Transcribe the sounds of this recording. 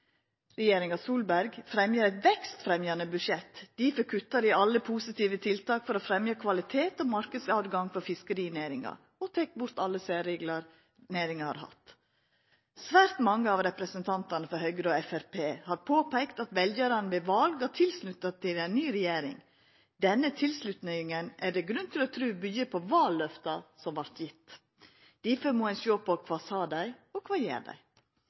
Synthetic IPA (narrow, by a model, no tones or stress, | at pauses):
ɾɛjeːɾɪŋɑsuːlbæɾɡfɾɛmjəɾæt̪ʋɛkst̪fɾɛmjɑnəbʉʃɛt̪d̪̥ɪfɔɾkʰʉt̪ːɑɾɪɑlːəpʰuːsɪt̪iːʋət̪ʰɪlt̪ɑːkfɔɾofɾɛmjɑkʰʋɑlɪt̪ʰeːt̪ɔmɑɾkəsɑːd̪ɡɑŋfɔɾfɪskəɾiːneɾɪŋɑ̰ | ɔt̪ʰɛk̚bʊɾt̪ɑlːəsæːɾeːɡlɑɾ | neːɾɪŋɑhɑ̰ɾhɑ̰t̪ | sʋæːɾt̪mɑŋːəɑʋɾɛpɾəsənt̪ʰɑnt̪ɑnəfɔɾhœʏɡəɾɔɛfæɾpʰeːhɑɾpʰoːpʰæɪkt̪ɑt̪ʋɛljəɾɑnəbɪʋɑlɡɑt̪ʰɪlslʉt̪ːɑt̪ʰɪlæɪnːyːɾɛjeːɾɪ̰ŋ | d̪ɛnːət̪ʰɪlslʉt̪nɛɪŋənʔæɖɛɡɾʉnːt̪ʰɪlɔt̪ʰɾʉːbyjəpʰɔʋɑːlːœft̪ɑsɔmʋɑɾt̪jɪt̪ː | d̪̥ɪføɾmoːænsoːpɔkʰʋɑːsɑːd̪æɪɔkʰʋɑːjḛːɖæ̰ɪ